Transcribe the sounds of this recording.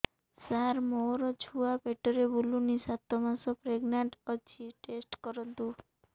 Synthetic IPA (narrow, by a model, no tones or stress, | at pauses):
saɾmoɾɔd͡ʑʰʱuapeʈːoɾebulunisat̪ːomasopɾeɡnaɳʈɔt͡ɕʰiʈesʈkɔɾont̪u